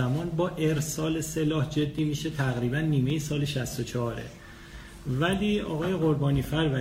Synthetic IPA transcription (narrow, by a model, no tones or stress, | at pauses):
æmɒːnbɒːʔeɾsɒːle̞se̞lɒːhd͡ʒe̞d̪ːiːmiʃe̞t̪ʰæɣɾiːbænːiːme̞jesɒːle̞ʃæst̪ot͡ʃʰɒɾḛ | væliːɒ̰ːɣɒːje̞ɣo̞ɾbɒːniːfæɾvæ